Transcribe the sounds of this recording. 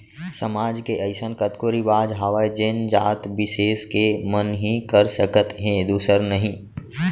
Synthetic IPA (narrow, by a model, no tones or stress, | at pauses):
səmaːd͡ʒkeʔɐɪsənkət̪koɾibaːd͡ʒɦaʋaːjd͡ʒend͡ʒaːt̪bɪseːskemənɦĩkəɾsəkət̪ɦẽd̪uːsəɾnəɦĩ